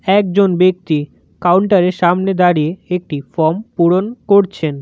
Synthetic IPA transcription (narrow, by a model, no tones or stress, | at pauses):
ɛkd͡ʑonbek̚t̪i | kawuɳʈaɾeɾʃamned̪aɾieek̚ʈifɔɾmpuɽonkoɾt͡ɕʰen